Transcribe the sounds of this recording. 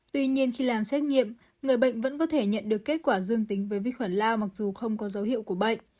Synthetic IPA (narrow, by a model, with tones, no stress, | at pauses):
t̪wi˧ɲi˧ənxi˧laː˨˩msɛ˦˥t̚ŋḭ˧˨əm | ŋɨ˨˩əjɓə̰˧˨jŋ̟və̰˧˥nkɔ˨˦t̪ʰe˧˩ɲə̰˧˨nɗɨ˨˩əkːe˦˥t̚kwaː˧˩zɨ˧əŋt̪i˨˦ŋ̟vəː˨˦jvḭ˧˨xwə˧˩nlaː˧wma˨˩k̚zu˨˩xə˧wŋ͡mkɔ˨˦zə˨˦whḭ˧˨əwku˧˩əɓə̰˧˨jŋ̟